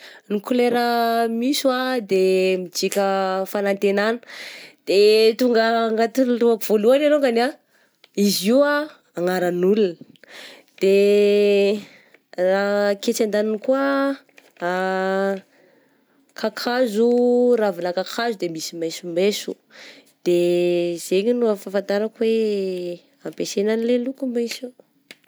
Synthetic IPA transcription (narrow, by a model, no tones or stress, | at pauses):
nikuleɾəmiswad̪emid͡ʒikʲəfanant̪enanə̥d̪̥et̪uŋɡəŋɡat̪iluakuv̥oluanaloŋɡana | iziwa | aŋaɾanulunə | d̪̥e | raket͡ʃand̪aninikuə | kʰakʰazuɾavinakakʰazud̪emisimajsumesu | d̪̥ez̥eɲinuafafant̪aɾakwe | ampesenanilelukumasi